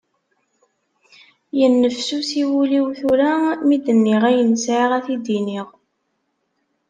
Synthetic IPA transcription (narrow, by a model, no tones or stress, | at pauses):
jənːəfsusiwuliwθuɾamid̪ənːɪʁæjənsʕiʁæθid̪iniʁ